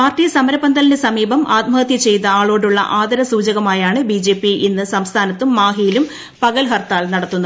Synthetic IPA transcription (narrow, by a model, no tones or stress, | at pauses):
paːrʈːiːjɐsɐmɐɾɐbɐnd̪ɐlinesɐmiːbɐmʔaːt̪̚mɐɣɐt̪jɐt͡ɕe̞jt̪ːɐaːɭo̞ːɽuɭːɐ̰ʔaːd̪ɐɾɐsuːd͡ʑɐɣɐmaːjaːɳɨbid͡ʑe̞ːpːiinːɨsɐmst̪ʰaːnɐt̪ːumːaːɦijilum | pɐɣɐlɦɐrt̪ːaːlnɐɽɐt̪ːunːɐ